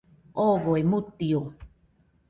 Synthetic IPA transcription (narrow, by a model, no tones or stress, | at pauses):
oːɣoemut̪ːio